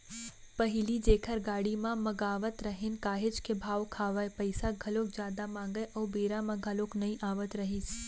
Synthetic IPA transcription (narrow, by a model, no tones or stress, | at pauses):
pəɦilid͡ʒekʰəɾɡaɽimãməɡaʋət̪ɾəɦenkaɦed͡ʒkebʱaʋkʰaʋajpəjsaɡʱəlok̚d͡ʒjad̪amãŋɡəjʔəwbeɾamãɡʱəloknəĩʔaʋət̪ɾəɦit͡ʃʰ